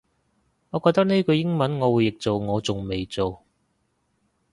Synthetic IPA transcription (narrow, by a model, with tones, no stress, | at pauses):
ŋɔː˨˧kɔː˧k̚t̪ɐ˥k̚ne˥jkɵ˨˧jɪ˥ŋmɐ˨˦˥nŋɔː˨˧wuː˨˧jɪ˨k̚t͡so˨wŋɔː˨˧t͡sʊ˨ŋme˨jt͡so˨w